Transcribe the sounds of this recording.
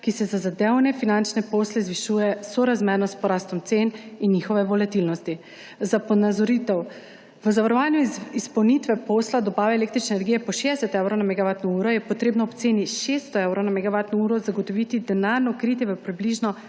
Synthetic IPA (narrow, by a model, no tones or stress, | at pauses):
kisɛzazad̪ewnɛfinant͡ʃnɛpoːslɛzʋiʃujɛsɔɾazmɛɾnɔspɔɾaːst̪ɔmt̪seninːixɔʋɛʋɔlat̪ilnɔst̪i | zapɔnazɔɾit̪ɛw | ʋəzaʋaɾɔʋaːnjuispɐwnit̪ʋɛposlad̪ɔbaːʋɛeleːkt̪ɾit͡ʃnɛːnɛɾɡijɛpɔʃeːd̪ɛsɛt̪ɛwɾownamɛɡaʋaːt̪nɔuːɾɔjɛpɔt̪ɾeːbnɔːpt̪seːniʃest̪ɔewɾownamɛɡaʋat̪nɔuːɾɔzaɡot̪ɔʋit̪id̪ɛnaɾnɔkɾit̪jɛʋəpɾibliʒnɔ